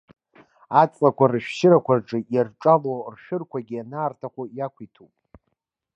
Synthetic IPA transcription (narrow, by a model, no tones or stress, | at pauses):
at͡sʼlakʷʰarɨʃᶣʃɪɾakʷʰarʈ͡ʂʼɨjarʈ͡ʂʼalorʃᶣɨrkʷʰaɡʲianaːrtʰaχʷojakʷʰitʰupʼ